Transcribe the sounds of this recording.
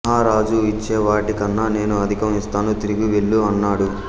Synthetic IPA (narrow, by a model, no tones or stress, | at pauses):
ɦaːɾaːd͡ʒuit͡ʃːeːʋaːʈikɐnːane̞ːnuɐd̪ʱikɐmist̪aːnut̪iɾiɡiʋeɭːuɐnːaːɽu